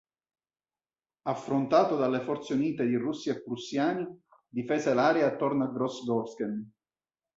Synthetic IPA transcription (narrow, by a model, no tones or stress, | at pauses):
afːɾont̪aːt̪od̪alːefɔrt̪seuniːt̪ed̪irusːiepːɾusːjaːni | d̪ifɛːzelaːɾjaːt̪ːɔrnaɡɾɔsɡɔɾskɛn